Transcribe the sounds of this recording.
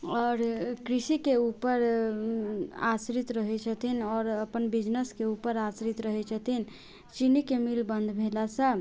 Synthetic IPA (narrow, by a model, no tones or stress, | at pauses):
ɔɾkɾisikeupəɾ | a̰sɾit̪ɾəɦɛt͡ʃʰət̪inɔːɾəpənbid͡ʒnəskeupəɾasɾit̪ɾəɦɛt͡ʃʰət̪in | t͡ʃinikemilbə̃nd̪ʱbʱelasə̃